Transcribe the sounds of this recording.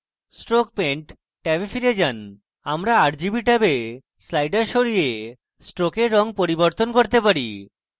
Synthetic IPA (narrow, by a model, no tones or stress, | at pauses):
sʈɾok̚peɳʈ | ʈɛbefiɾed͡ʑan | amɾaaɾd͡ʑibiʈabe | slajɖaɾʃoɾije | sʈɾokeɾːɔŋpoɾiboɾt̪onkoɾt̪epaɾi